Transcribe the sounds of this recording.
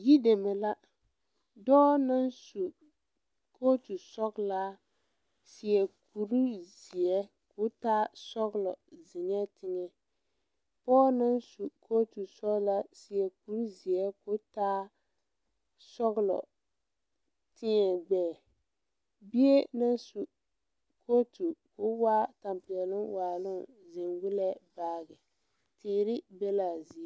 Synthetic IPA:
ji˦de˨mɛ˨la˦ | dɔː˦na˦n˦su˨ | kʰo˦tu˨sɔ˦ɡla˦ | sɪ˨ɛ˨ku˨ɾu˦zi˨ɛ˦ | kʊ˦taː˦sɔ˦ɣlɔ̰˨zɪ˨ɲɛ˦tʰɪ˦ŋɛ˨ | pɔː˦na˦n˦su˨kʰoː˦tu˨sɔ˦ɡla˦si˦ɛ˦ku˦ɾzi˨ɛ˦kʊ˦taː˦ | sɔ˦ɣlɔ̰˨ | tɪ˦ŋɛ˨ɡ͡bɛː˨ | bi˦e˦na˦nsu˨ | koː˦tu˨kʊ˦wa˦ta˨mpɪ˨ɛ˨lɪ˦ŋwaː˨lʊ˦n | zɪ˨nwʊ˦lɛ˦baː˦ɣɪ˨ | tʰɪː˨ɾɪ˦bɛ˦la˨zi˨ɛ˦

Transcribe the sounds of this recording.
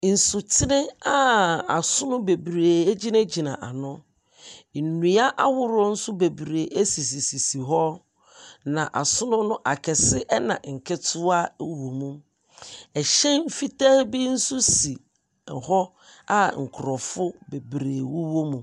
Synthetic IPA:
n̩˨sʊ˨tʰɪ˦nɪ̃˦a˦a˨sʊ˦nʊ̃˦be˨bɾeː˨e˦d͡ʑi˦nã˦d͡ʑi˨nã̰˨ʔa˨nʊ̃˦˨ | nũ˨a˦ʔa˦wʊ˦ɾɔ˦n̩˦sʊ˦be˨bɾe˨ʔe˦si˨si˨si˨si˨ɦɔ˦ | nã˨ʔa˨sʊ˦nʊ̃˦nʊ̃˦ʔa̰˨kʰɛ˨sɪ˦ʔɛ˦nã̰˨ŋ̩˨kʰɛ˦tʰʊ˦a˦wo˨mũ˦m | ɛ˨ɕɛ̃˦m̩˦fi˦ta˦bi˦n̩˦sʊ˦si˨ | hɔ˦ | a˦ŋ̩˨kʰʊ˨ɾɔ˨fʊ˦be˨bɾeː˨wʊ˦wo˦mũ˨

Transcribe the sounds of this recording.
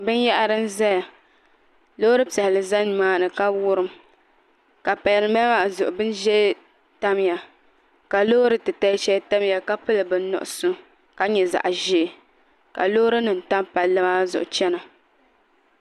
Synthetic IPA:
bɨ˦n˦ja˦ʔa˦ɾɨ˦n˦za˦ja˨ | loː˦ɾɨ˦pɛ˨hɪ˨lɨ˨za˦n˨maː˦nɨ˨ka˦wʊ˦ɾɨ˦m | ka˨pa˨jlɨ˨ma˦ma˦˨zʊ˨ʔʊ˨bɨ˦n˦ʒɛ˦ | ta˦m˦ja˨ | ka˨lo˦ɾɨ˨tɨ˨ta˦ʃɛ˦ta˦m˦ja˨ka˦pɨ˦lɨ˨bɨ˨n˦nɔ̰˨ʔʊ˨sʊ˦ | ka˨ɲɛ˨za̰˨ʔʒi˦˨ | ka̰˨lo˦ɾɨ˦nɨ˨n˨ta˦mpa˨lɨ˦ma˦zʊ̰˨ʔʊ˨t͡ʃɛ˦na˨

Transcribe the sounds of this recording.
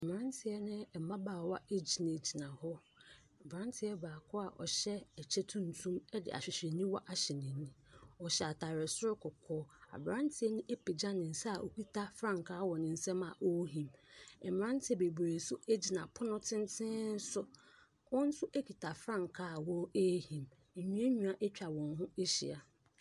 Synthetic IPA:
m̩˨m˨ɾã˦n˦tʰɪ˨ɛ˦nɪ̃˦ɛ˨mã˦baː˨wa˦e˦d͡ʑi˨nã˨d͡ʑi˨nã˨hɔ˦˨ | bɾã˦ntʰɪ˦ɛ˦baː˨kʰɔ˦a˨ʔɔ̰˨ɕɛ˦ɛ˨t͡ɕʰɛ˦tʰũ˦n̩˨tʰũ˦mɛ˦dɪ̰˨ʔa̰˨ɕᶣɪ˨ɕᶣɛ˨nĩ˦wɔ˦ʔa˦ɕɛ˨nɪ̃˨˦nĩ˦ɔ˨ɕɛ˨a˨tʰa˨ɾɪ˨sʊ˦ɾɪ˦kʰɔ˨kʰɔː˦a̰˨bɾã˦n˦tʰɪ˦ɛ˦nɪ̃˦ʔe˦pʰe˨d͡ʑã˦nɪ̃˨n̩˨sa˦a˨ʔo˨ki˦tʰa˦fɾã˦˨ŋkʰaː˦wɔ˨nɪ̃˨n̩˨sɛ̃˦mã˨ʔo˦ɦĩ˨mɛ˨m˨ɾã˦n˦tʰɪ˨˦ɛ˨be˨bɾe˨sʊ˦e˦d͡ʑi˦nã˨pʰʊ˦nʊ̃˦tʰɪ̃˦n˦tʰɪ̃˦n̩˦sʊ˦ | wɔ̃˦n̩˦sʊ˦ʔe˦kʰi˨tʰa˨fɾã˦ŋ˨kʰaː˦˨wɔ˦e˦hĩ˨m | e˨ɲĩ˦e˦ɲũ˨a˨ʔɛ˦t͡ɕᶣa˨wɔ̃˨nɦʊ̃˦e˦ɕḭ˨a˨

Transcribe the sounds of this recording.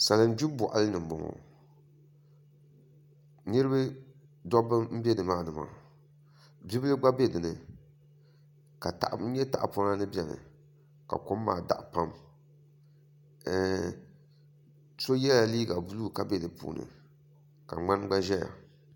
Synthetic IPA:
sa˨lɨ˨n˦d͡ʒu˦bʊ˨ʔa˨lɨ˦nɨ˨m˨bʊ˨ŋɔ̰˨ | nɨ˦ɾɨ˦bɨ˦ | dɔ˦bɨ˦m̩˦bɛ˦dɨ˨maː˦˨nɨ˨ma̰˨ | bi˦bɨ˦lɨ˦ɡ͡ba˦bɛ˦dɨ˨nɨ˨ | ka˨ta̰˨ʔ̩˨˦ɲɛ˦ta˨ʔa˨po˦na˦nɨ˦bɛ˨nɨ̰˨ | ka̰˨kʊ˦mː˦a̰ː˨da̰˨ʔpa˦m˦˨ | so˦jɛ˦a˨liː˦ɡa˨bu˦luː˦˨ka˦bɛ˦dɨ˨pṵː˨nɨ̰˨ | ka̰˨ŋ͡ma˦nɡ͡ba˦ʒɛ˦ja̰˨

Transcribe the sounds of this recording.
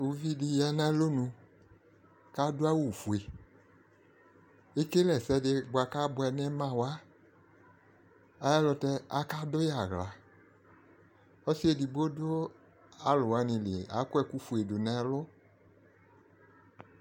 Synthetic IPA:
u˨˧vi˦di˧jɛ˧nɛ˦lo˦nũ˧ | ka˦dʊ˦a˦wu˨fu˨e˨ | e˦ke˦lɛ˨sɛ˧˦dɪ˧ɡ͡bʊ˨a˧ka˦bʊ˧ɛ˧nɛ˦mã˦˨wa˦ | a˨jɛ˦lʊ˧tɛ˧a˦ka˦dʊ˦ja˨ɣla̰˨ | ɔ˦si˦e˦˨di˧bo˦dʊ˦ | a˨lʊ˨wa˧nɪ̃˧lɪ˨a̰˨˦kʊ˦ɛ˧ku˦fu˨e˨dʊ˨nɛ˨˦lʊ˦

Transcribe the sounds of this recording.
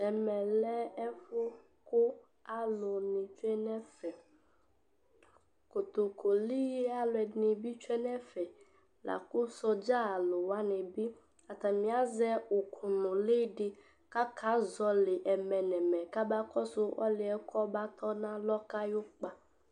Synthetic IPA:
ɛ˨mɛ˨lɛ˦ɛ˦fʊ˦ | kʊ˦ | a˨lʊ˨nɪ̃˨t͡ʃu˦ɛ˦nɛ̃˦fɛ˨ | ko˨t̪o˨kʰo˨li˦je˦a˨lʊ˨ɛ˨nɪ̃˨bi˦t͡ʃu˦ɛ˦nɛ̃˦fɛ˨ | la̰˨kʊ˦sɔ˦d͡ʒa˦a˨lʊ˨wa˦nẽ˨bi˦ | a˨t̪a˨mĩ˨˦a˦zɛ˦ʊ˨kʰʊ˨nʊ̃˨le˦ɖɪ˦ | ka˦kʰa˨˦zɔ˦lɪ˨ʔɛ˨mɛ˨nɛ˨mɛ̃˨ka˦ba˦kɔ˦sʊ˦ʔɔ̰˦lɪ˨ɛ˦kʰɔ˦ba˦t̪ʰɔ˦nã˦lɔ˦ka˦jʊ˦k͡pa˦

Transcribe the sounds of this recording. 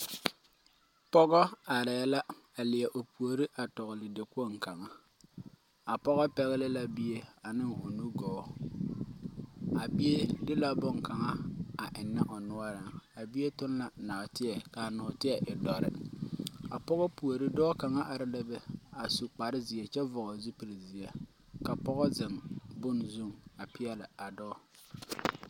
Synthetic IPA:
pɔ˦ɡɔ˦a˨ɾɛ˨jɛ˦la˦ | a˨lɪ˨ɛ˨ʔo˨pu˨o˨ɾi˦ʔa˨tɔ˨ɣlɪ˨dɪ˨ko˦˨ŋ˨ka˨ŋa˦ | a˨pɔ˦ɣɔ˦pɛ˦ɣɛ˦lɪ˦la˦bi˦je˦a˨nɪ˦ŋo˨nu˦ɡɔː˦ | a˨bi˦e˦dɪ˦la˦bɔ˦˨ŋka˨ŋa˦a˨ʔɪ˨nːɪ˦ʔɔ˨nʊ˦ɔ˦ɾa˨ŋa˨bi˦e˦tʊ˦n˦la˨na˨tɪ˦ɛ˨ka˨nɔ˨tɪ˦ɛ˨ʔɪ˨dɔ˦ɾɪ̰˦ | a˨pɔ˦ɣɔ˦pu˨o˨ɾɪ˦dɔː˦ka˨ŋa˦ʔa˨ɾɪ˦lɪ˦bɛ˨a˨su˨k͡pa˨ɾɪ˦zi˨e˨t͡ʃɛ˦vɔ˨ɣɔ˨zu˦pi˨ɾzi˨e˦ | ka˨pɔ˦ɣɔ˦zɪ˨ŋbʊ˦˨nzu˦ŋa˨pɪ˦ɛ˦lɪ˨a˨dɔː˦

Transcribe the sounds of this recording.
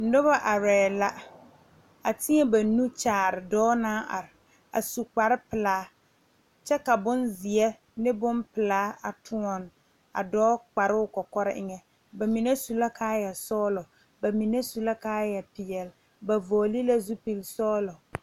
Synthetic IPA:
n̩˦dʊ˦ba˦ʔa˨ɾɛː˨la˦ | a˨tɪ˦ɛ˦ba˨nu˦t͡ʃaː˨ɾɪ˨dɔː˦naː˦ʔa̰˨ɾɪ˨ | a̰˨su˨k͡pa˨ɾɪ˦pɪ˨laː˨˦ | t͡ʃɛ˦ka˨bʊ˦nzɪ˨ɛ˦ | nɪ˦bʊ˦npɪ˨laː˦a̰˨tʰʊ˦ɔ˨n | a̰˨dɔː˦k͡pa˨ɾɪ˦ʊ˦˨kɔ˨kɔ˦ɾɪ˦ʔɪ˦ŋɛ˨ | ba˨mi˨ne˦su˨la˦kʰaː˦jɛ˨sɔː˦lɔ˨ | ba˨mi˨ne˦su˨la˦kaː˦jɛ˨pɪ˨jɛ˨l | ba˨vɔː˨li˦la˦zu˦pi˨lsɔː˦lɔ˨

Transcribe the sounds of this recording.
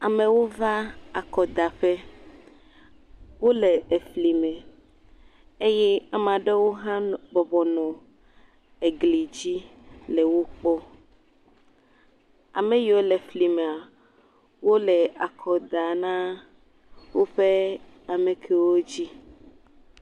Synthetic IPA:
a˨mẽ˨wo˦va˦a˨kɔ˨d̪a˨ɸɛ˦ | wo˦lɛ˨e˨fli˨mɛ̃˨ | e˦jɛ˦a˨m˨ã˨ɖe˦wo˦ɦã˦bɔ˨bɔ˨nɔ̃˨ | e˨ɡli˨d͡ʑi˦lɛ˨wo˦k͡pɔ˦ | a˨mɛ̃˨jo˦lɛ˨fli˨mẽ˨a˨ | wo˦lɛ˨a˨kʰɔ˨d̪a˨nã˦ | wo˦ɸɛ˦ | a˨mẽ˨kʰɛ˦wo˦d͡ʑi˦

